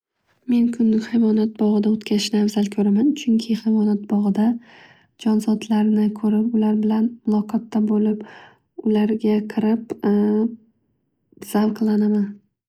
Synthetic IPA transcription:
me̞nkʰʊnːɪŋʲhajmɒnat̪̚bɒʁɨd̪aot̪kʲʰaɾɪʃnɪavzalkʲʰɵɾamant͡ʃʰʊŋkʲʰɪhajmɒnat̪̚bɒʁɨd̪a | d͡ʒɒnzɒd̪laɾnɪkʰɵɾɪpʊlaɾbɪlanmʊlˠɒqʰɒt̪ʰːabolɪp | ʊlaɾɡʲaqʰɨɾɪp | z̥avqʰlˠanaman

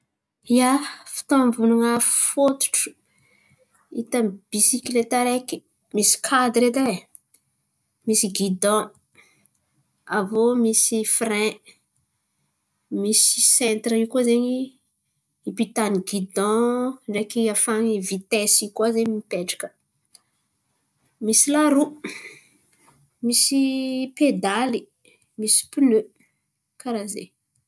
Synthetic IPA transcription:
iafi̥t̪ombunuŋaffot̪u̥ʈ͡ʂu̥ | it̪ab̥isikilet̪eɾeki̥ | misi̥kʰad̪ɾed̪e | misiɡid̪ɔ̃ | avomisifrɛ̃ | misi̥sɛ̃nt̪ɾəiukozeɲi | ipit̪aniɡid̪ɔ̃ɳɖ͡ʐekiafaŋivit̪ɛsikazeɲmipeʈ͡ʂḁkə̥ | misilaɾu | misiped̪ali | misi̥plø | kaɾazḛ

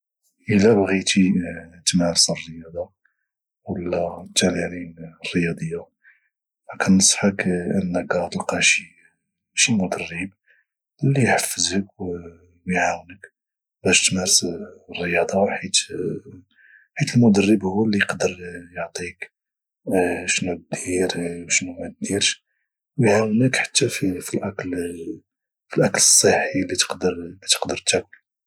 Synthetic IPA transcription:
ʔəlːæbɣit̪it̪mæɾsərˤːəjɑd̪ˤɑ | wəlːæt̪ːælaninrːəjɑd̪ˤəjːa | fækænːəsˤħəkʔənːəɡɑɾt̪əlqæʃi | ʃimʊd̪ərːəb̚ | lːijħəfːəzhəkw | biʕawnək | bæʃt̪mæɾsrˤːəjɑd̪ˤɑħit̪ | ħit̪əlmʊd̪ərːəbhʊwːælːiəqd̪əɾjəʕt̪ˤik | ʃnut̪̚d̪̥iɾwʃnumæt̪̚d̪iɾʃ | wjʕawnəkħḁt̪ːæfifilʔækl | filʔækləsˤːəħilːit̪ə̥qd̪əɾt̪ə̥qd̪əɾt̪ækːəl

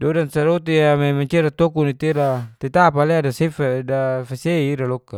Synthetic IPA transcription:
dodansaɾot̪iamemaɲt͡ʃeɾat̪okunit̪iɾat̪et̪apaleadasefdafaseiiɾalokːa

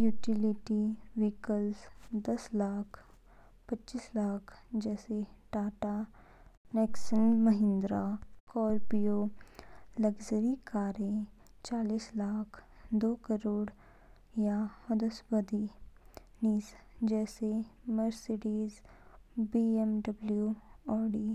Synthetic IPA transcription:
juːʈiliʈiʋiːkəlsd̪ɐslaːkʰ | pɐtːt͡ʃiːslaːkʰd͡ʒɛːseʈaːʈa | nɛːksənməɦɪ̃nd̪ɾakɔːɾpijo | ləɡzəɾikaːɾẽ | t͡ʃaːliːslaːkʰd̪oːkəɾoːɽ | jaɐd̪əsbəd̪i | niːsd͡ʒɛːseməɾseɖiːz | biːemɖɐbljuɔːɖiː

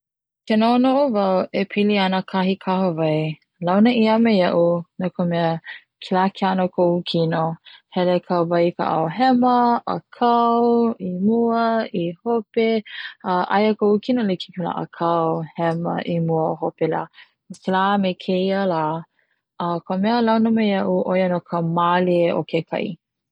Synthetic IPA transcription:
kɛnonoʔovawʔepʰiliɐnəkʰahikʰahovaj | lawnəʔiɐmejɐʔunakomɛə | kʰilakʰianokʰoukʰinohɛlekʰawvajkʰa̰ʔa̰wɦɛməʔɐ̰kʰɐwimuəihopeəʔa̰jəkokʰinoliki̥kʰela̰ʔə̰kʰɐwhɛmə̰ʔimuəhopela̰ː | mselaːmekʰejəlaː | əkʰomɛəlawnəmejɐʔuʔojənokʰəmaleʔo̰kʰekʰɐ̰i

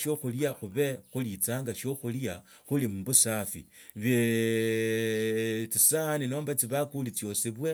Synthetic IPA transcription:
ʃjo̞xuljaxuβe̞xulit͡saːŋɡaʃjo̞xulja | xulimuβusafḭβe | t͡sisanino̞ːmbat͡siβakulit͡sjo̞siβwe̞

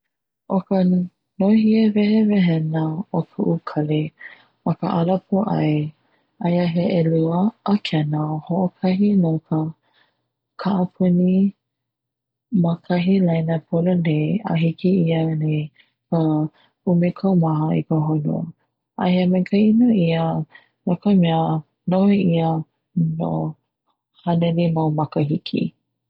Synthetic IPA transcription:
ʔokə | nohievɛɦevɛɦɛnaokʰuʔukʰɐle | mɐkə̰ʔalapʰoʔa̰j | ajaɦeʔeluəʔːkʰɛnaohoʔokʰɐɦinokʰə | kʰaʔɐpʰuni | makʰɐɦilajnapʰolonea̰ɦikiiane | kə | umekʰawmaɦəḭkəɦonṵə̰ | ʔa̰heamekʰəinoiə | nokəmeə | noeiə | no̰ | hanenimawmakəɦikʰḭ

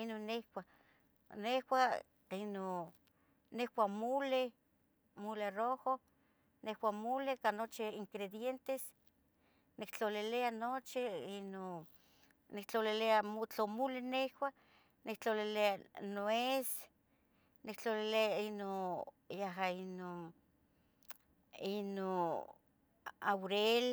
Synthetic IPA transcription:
inonːekwʷa | nehwa | ino | nehwamule | muleroho | nehwamulekanot͡ʃiiŋkɾed̪jent̪es | nikt͡ɬolileanot͡ʃiino | nik̚t͡ɬolileamot͡ɬomulɪnehwa | nik̚t͡ɬolileanoes | nikt͡ɬolileainojaɦainon | ino | awɾel

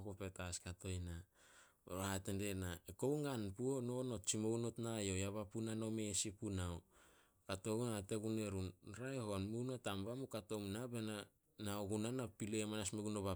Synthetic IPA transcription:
kopetaskato̞jna | o̰ɾahatende̞naeko̞wŋanpuonono̞t͡ʃimounotnajo̞jaβapunanomesipunao | kato̞ɡunate̞ɡune̞ɾunɾaehoanmunotambamukato̞mnabena | naoɡunanapilemanasmeɡunoβa

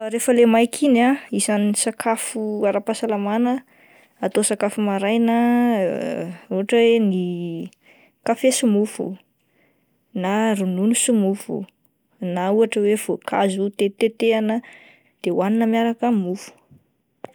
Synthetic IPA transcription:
ɾefəlemajkʰinaizansakʰafuaɾapasalamanə | at̪osakafumaɾajna | uaʈ͡ʂəweni | kafesumufṵ | narununusumufṵ | nauaʈ͡ʂəwev̥okʰa̰zut̪et̪et̪eanə | d̪̥ewaninəmiaɾakəmufu̥

